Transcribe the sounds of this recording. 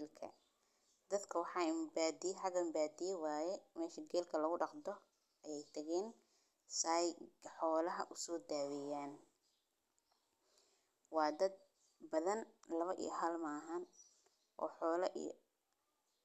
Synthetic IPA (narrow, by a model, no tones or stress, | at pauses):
lkʰɐ̰ | d̪̥ɐd̪kʰɐwɑħɑːɪmbaːd̪ɪjɛħɑɡɐɪmbaːd̪ɪjɛwaːjɛmɛːʃɐɡɛːlkʰɐlɐɣʊɖɑqd̪ɔ | ʔɐjɛjt̪ʰɐɣɛːn | sajħɔːlɐɦɐ̰ʔʊsɔːd̪aːwɛjaːn | wɑːd̪ɐd̪̚ | bɐðɐnlɐβɐʔḭjɦɐlmɐːɦan | ʔɔ̰ːħɔːlɐʔḭj̰